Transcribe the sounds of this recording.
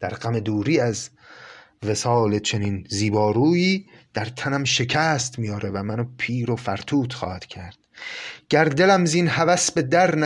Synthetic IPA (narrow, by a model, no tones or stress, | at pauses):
d̪̥æɾɢæme̞d̪uːɾiːæz | ve̞sɒːlet͡ʃʰe̞ninziːbɒːɾuːiːd̪̥æɾt̪ʰænæmʃe̞cʰæːst̪mijɒːɾevæmænopʰiːɾofæɾt̪ʰuːt̪ʰxɒ̰ːhæd̪̥cʰæɾd̪̥̚ɟ̥æɾd̪e̞læmziːnhævæsbe̞d̪æɾnæ